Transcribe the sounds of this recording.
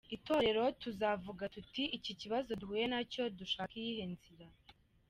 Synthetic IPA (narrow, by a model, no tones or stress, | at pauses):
ito̞ːɾe̞ɾo̞tuzavuɡatutiiciciβazo̞duhuːje̞naco̞duʃaːkijihenziɾa